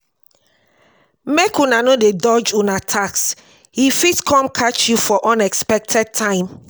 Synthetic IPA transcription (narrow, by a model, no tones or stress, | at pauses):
mekunanodedɔd͡ʒunatʰaks | hifitkʰɔ̃mkʰat͡ʃjufɔʔɔ̃nɛkspɛk̚tʰɛd̚tʰãɪ̃m